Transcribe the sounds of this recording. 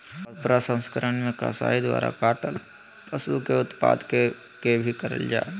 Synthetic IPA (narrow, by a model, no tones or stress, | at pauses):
d̪̚pɾasə̃nskəɾənmẽkasa̰ːɦid̪ʋa̰ːɾa̰kaːʈəl | pɐsukeʊt̪pa̰ːd̪ke | kebʱikəɾə̰ld͡ʒaː